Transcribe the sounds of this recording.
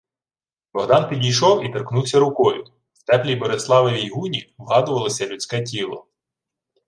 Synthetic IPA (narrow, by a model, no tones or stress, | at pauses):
bɔɦd̪ɑnpʲidʲijʃɔwit̪erknuwsʲɐɾʊkɔjʊ | wt̪ɛplʲijbɔɾeslˠɑʋeʋʲijɦunʲiʋɦɑd̪ʊʋɐlˠɔsʲɐlʲʊt͡sʲkɛtʲilˠɔ̰